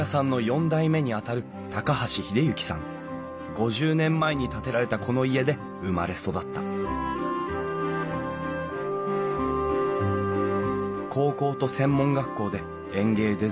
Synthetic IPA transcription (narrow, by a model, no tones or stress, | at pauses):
asãnːo̞jõ̞nd̪aime̞ɲ̟iat̪aɾɯ̟ | t̪akahaɕiçid̪e̞jɯ̟kʲi̥sã̰ŋ | ɡo̞ʑɨːnẽ̞mːaeɲ̟it̪at̪e̞ɾaɾe̞t̪akʰo̞no̞ie̞d̪e̞ | ɯ̟ma̰ɾe̞so̞d̪at̪ːa̰ | kʰo̞ːko̞ːt̪o̞sẽ̞mːõ̞ŋɡakːo̞ːd̪e̞ | ẽ̞ŋɡe̞ːd̪e̞